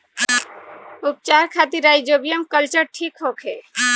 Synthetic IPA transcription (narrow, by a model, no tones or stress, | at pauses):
up̚t͡ʃaɾkʰat̪iɾajd͡ʒobijəmkəlt͡ʃəɾʈʰikɦokʰe